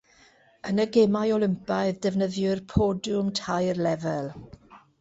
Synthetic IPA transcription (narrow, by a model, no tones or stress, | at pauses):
ənəɡɛmajɔlˠɪmpajðdɛvnəðjʊrpʰɔdʊmtʰajrlɛvɛlˠ